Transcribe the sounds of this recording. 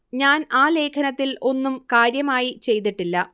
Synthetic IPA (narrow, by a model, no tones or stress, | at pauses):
ɲaːnaːle̞ːkʰɐnɐt̪ːilo̞nːumkaːɾjɐmaːjit͡ɕe̞jt̪̬iʈːilːɐ